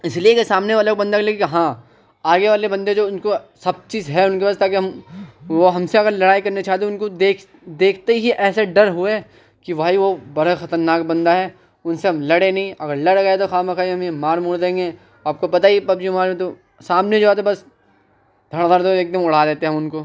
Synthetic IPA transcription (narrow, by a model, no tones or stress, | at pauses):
ɪsliekesaːmneʋaɐlkbɐ̃nd̪akleːkkɦã | aːɡeʋaːlebɐ̃nd̪ed͡ʒoːʊnkosɐb̚t͡ʃiːzɦɛʊnkebast̪aːkeɦɐmʋoɦɐmseɐɡəɾlɐɽaːikɐɾnet͡ʃaːɦt̪ẽʊnkod̪eːkʰ | d̪eːkʰt̪eɦiʔɛːseɖɐɾɦue | kiʋʱaːiʋobɐɾaxɐt̪əɾnaːkbɐ̃nd̪aɦɛ | ʊnseɦɐmlɐɽẽnɐɦĩɐɡəɾlɐɽɡɐet̪oxaːmɐkʰaːɦɐmemaːɾmuːɽd̪ẽːŋɡe | aːp̚kopɐt̪aipɐb̚d͡ʒiɦɐmaːɾẽt̪o | saːmned͡ʒoːɦɛːt̪obɐs | d̪ʱɐɽ̃ɡ̪əɾd̪õeːk̚d̪ɐmʊɽ̤aːd̪eːt̪eɛɦɐmʊnko